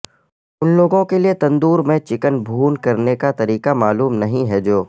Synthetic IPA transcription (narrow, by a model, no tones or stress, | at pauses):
ʊnloːɡõkeliet̪ɐ̃nd̪uːɾmẽt͡ʃɪkənbʱuːnkɐɾnekat̪ɐɾiːkamaːluːmnɐɦĩɦɛd͡ʒoː